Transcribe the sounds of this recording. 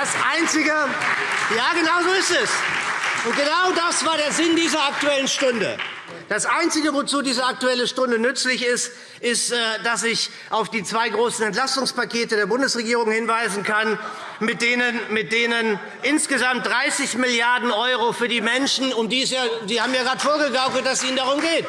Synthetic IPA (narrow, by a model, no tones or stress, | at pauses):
d̥asʔaɪnt͡sɪɡə | jaːɡənaʊzoːɪstɛsʔʊnt̚ɡ̥ənaʊdasv̥aːɐɾeːɐzɪndiːzɐak̚tuɛlənʃtʊndə̰ | d̥asʔaɪnt͡sɪɡəvot͡suːdiːzɐak̚tuɛləʃtʊndənʏt͡slɪçɪst | ʔɪstɛd̥as̬ɪç | ʔaʊfd̥iːt͡sv̥aɪɡʁoːsn̩ɛnt̬l̥astʊŋspakʰeːtədeːɐbʊndəsʁeɡiːʁʊŋhɪnvaɪzn̩kʰanmɪt̚d̥eːnənmɪt̚d̥eːnən | ʔɪnsɡ̥əzamt̚d̥ʁaɪsɪçmɪljaɐdn̩ʔɔʏʁofyːɐdiːmɛnʃn̩ʊmdiːɪsjaːdiːhaːbm̩jaːɡʁaːtfoːɐɡəɡaʊɡl̩t̚d̥assʔiːnəndaʁʊmɡeːt